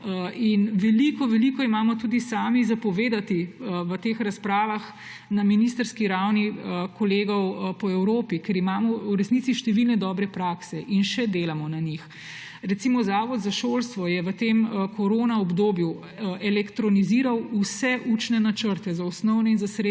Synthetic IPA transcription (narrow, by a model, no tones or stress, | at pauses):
inʋɛlikɔʋɛlikɔimaːmɔt̪uːd̪isaːmizapɔʋeːd̪at̪iʋət̪exɾaspɾaːʋax | naminist̪əɾskiɾawniəkɔleːɡɔwpɔɛwɾoːpikɛɾimaːmɔuɾɛsnit̪siʃt̪ɛʋilnɛd̪ɔːbɾɛpɾaːksɛʔinʃɛd̪eːlamɔnaɲix | ɾɛt̪simɔzaːʋɔd̪zaʃoːlst̪ʋɔjɛʋət̪eməkʰɔɾoːnaɔbd̪oːbju | ɛlɛkt̪ɾɔniziːɾawusɛʔut͡ʃnɛnat͡ʃəɾt̪ɛzaɔsnɔwnɛinzasɾe